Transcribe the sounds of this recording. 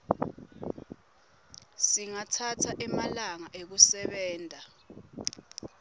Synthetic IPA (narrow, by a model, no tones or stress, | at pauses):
siŋatʰatʰaʔɛmalaŋaʔek̬usɛɓɛːndʼʱa